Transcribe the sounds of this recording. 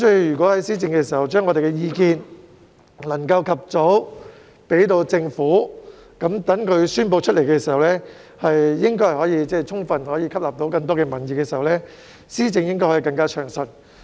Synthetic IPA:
sɵ˧jjyː˨kwɔː˨˥hɐ˨˥jsiː˥t͡sɪ˧ŋkɛː˧siː˨˩hɐ˨wt͡ʃœː˥ŋɔː˨˧ɾe˨jkɛː˧jiː˧kiː˧n | lɐ˨˩ŋkɐ˧wkʰɐ˨p̚t͡so˨˥w | pe˨˥jt̪̬o˧wt͡sɪ˧ŋfuː˨˥ | kɐ˨˥mt̪ɐ˨˥ŋkʰɵ˨˧ɥsyː˥np̬o˧wt͡ʃʰɵ˥t̚le˨˩jkɛː˧siː˨˩hɐ˨˩wlɛː˥ | hɐ˨jjɪ˥ŋkɔ˥jhɐ˨˩hɔː˨˥jiː˧t͡sɛː˥˩t͡sʰʊ˥ŋfɐ˨nhɔː˨˥jiː˧kʰɐ˥p̚laː˨p̚t̪o˨˥wkɐ˧ŋt̪ɔː˥kɛː˧mɐ˨˩njiː˨˧kɛː˧siː˨˩hɐ˨˩wlɛː˥ | siː˥t͡sɪ˧ŋjɪ˥ŋkɔː˥jhɔː˧˨˥kɐ˧ŋkaː˥t͡ʃʰœː˨˩ŋsɐ˨n

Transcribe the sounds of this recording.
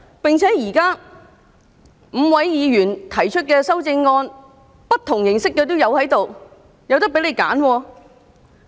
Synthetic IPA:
pɪ˨ŋt͡sʰɛː˨˥jiː˨˩kaː˥ | m̩˨˧wɐ˨˥jjiː˨˧ɥyː˨˩nt̪ʰɐ˨˩jt͡ʃʰɵ˥t̚kɛː˧sɐ˥wt͡sɪ˧ŋːɔː˧n | pɐ˥t̚t̪ʰʊ˨˩ŋjɪ˨˩ŋsɪ˥kːɛː˧t̪̬o˥wjɐ˨˧whɐ˨˥jt̪o˨w | jɐ˨˧wt̪ɐ˥k̚pe˨˥le˨˧jka̰ː˨˥nwɔː˧

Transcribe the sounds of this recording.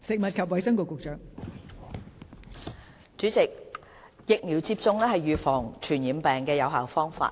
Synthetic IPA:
sɪ˨k̚mɐ˨t̚kʰɐ˨p̚wɐ˨˥jsɐ˥ŋkʊ˨˧kːʊ˨k̚t͡ʃœː˨ŋ | t͡ʃyː˨˥t͡sɪ˨k̚ | jɪ˨k̚miː˨˩wt͡siː˧p̚t͡sʊ˧ŋlɛː˥hɐ˨jɥyː˨fɔː˨˩ŋt͡ʃʰyː˨˩njiː˨˥mpɛː˨ŋkɛː˧jɐ˨˧wɦaː˨˩wfɔː˥ŋfa̰ː˧t

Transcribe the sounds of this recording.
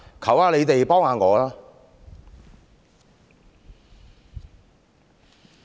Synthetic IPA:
kʰɐ˨˩waː˨˧le˨˧jt̪e˨jpɔː˥ŋaː˨˧ŋɔː˨˧laː˥

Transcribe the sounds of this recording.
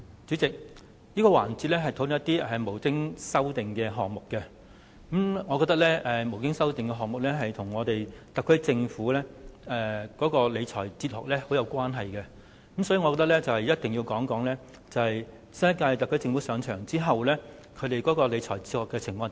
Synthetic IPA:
t͡ʃy˨˥t͡sɪ˨k̚ | jiː˥kɔː˧wa̰ː˨˩nt͡siː˨˧t̚lɛː˥ɦɐ˨jt̪ʰo˨˥lʊ˨ŋjɐ˥t̪ːiː˥ʔɛ˨˩mo˨˩wkɪ˥ŋsɐ˥wt̪ɪ˨ŋkɛː˧ɦɔː˨˩k̚mʊ˨kːɛ˧ | kɐ˨˥mŋɔː˨˧kɔː˧t̪ɐ˥k̚lɛː˥ʔɛ˨mo˨˩wkɪ˥ŋsɐ˥wt̪ɪ˨ŋkɛ˧ɦɔː˨k̚mʊ˨k̚lɛː˥ɦɐ˨jt̪ʰʊ˨˩ŋɔː˨˧t̪e˨jt̪ɐ˨kʰːɵ˨˥jt͡sɪ˧ŋfuː˨˥lɛː˥ɛ˨˧kɔː˨˥kɔː˧le˨˧jt͡ʃʰɔː˨˩jt͡siː˧t̚hɔ̰ː˨k̚lɛː˥ho˨˥wjɐ˨˧wkʷaː˥nɦɐ˨jkɛ˧ | kə˨˥msɔː˨˥ji˨˧ŋɔ˧kːt̪ɐ˥k̚lɛː˥t͡sɐ˨whɐ˨jɐ˥t̚t̪ɪ˨ŋjiː˧wkɔː˨˥ŋkɔː˨˥ŋlɛː˥ | t͡sɐ˨whɐ˨j | sɐ˥jɐ˥kaː˧jt̪ɐ˨kʰːɵ˥jt͡sɪ˧ŋfu˨˥sœː˨˧ŋt͡ʃʰœː˨˩ŋt͡siː˥ɦɐ˨wlɛː˥kʰɵ˨˧t̪e˨jkɔː˨˥kɔː˧le˨˧jt͡ʃʰɔ̰ː˨˩jt͡si˧t̚hɔː˨kːɛː˧t͡sʰɪ˨˩ŋfɔː˧ŋ

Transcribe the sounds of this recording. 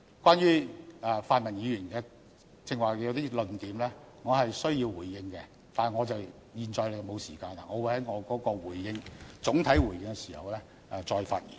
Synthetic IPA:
kʷwʷaː˥nɥyː˥ɛː˧faː˧t̚mɐ˨˩njiː˨˧jyː˨˩nkɛː˧ | t͡sɪ˧ŋwaː˨˩jwt̪iː˥lɵ˨nt̪iː˨˥mlɛː˥ | ŋɔː˨˧ɦɐ˨jsɵ˥ɥjiː˧wwuː˨˩jːɪ˧ŋkɛ˧ | t̪aː˨ŋɔː˨˧t͡sɐ˨w | jiː˨nt͡sɔː˧jle˨˧jmo˨˧wsiː˨˩kaː˧na˧ŋɔː˨˧wu˨˧jhɐ˨˥jŋɔː˨˧kɔː˨˥kɔː˧wuː˨˩jjɪ˧ŋt͡sʊ˨˥ŋt̪ʰɐ˨˥jwuː˨˩jɪ˧ŋkɛ˧si̥ː˨˩hɐ̰˨˩wlɛː˥ | ɛ˧t͡sɔː˧jfa̰ː˧t̚jḭ˨

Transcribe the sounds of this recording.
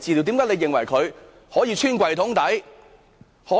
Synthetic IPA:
t͡siː˨li˨˩wt̪i˨˥kaː˨˥jle˨˧jɪ˨˩ŋwɐ˨˩jkʰɵ˨˧ɥ | hɔː˨˥jiː˧t͡ʃʰyː˥nkʷɐ˨˧jt̪ʰʊ˨˥ŋt̪ɐ˨˥j | hɔː˨˥

